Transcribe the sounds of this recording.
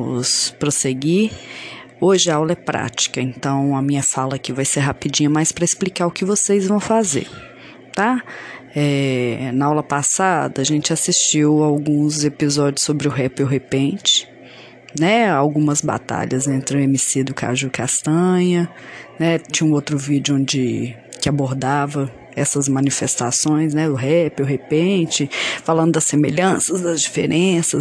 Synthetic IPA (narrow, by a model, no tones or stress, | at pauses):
ʊspɾoseɡi | oʒɪawlɐɛpɾa̰t͡ʃi̥kɐẽnt̪ɐ̃w̃ɐmĩɲɐfalɐkɪvajseɾɦapid͡ʒĩɲɐmajspɾɐesplikaɾʊkɪvosejzvɐ̃w̃fazḛɾ | t̪a | ɛnɐawlɐpasad̪ɐːʒẽnt͡ʃɪasist͡ʃiwawɡũzepizɔd͡ʒiʊsobɾɪʊɦɛpɪʊɦepẽt͡ʃɪ̥ | nɛawɡũmɐzba̰t̪a̰ʎɐzẽnt̪ɾɪʊemisid̪ʊka̰ʒukast̪ɐ̃ɲɐ | nɛt͡ʃĩɲɐũowt̪ɾʊvid͡ʒʊõd͡ʒɪkɪaboɾd̪avɐ | ɛsɐzmɐ̃nifest̪asõj̃s̬nɛʊɦɛpɪʊɦepẽt͡ʃɪfalɐ̃nd̪ʊd̪ɐsemeʎɐ̃sɐzd̪ɐzd͡ʒifḛɾʔẽsɐ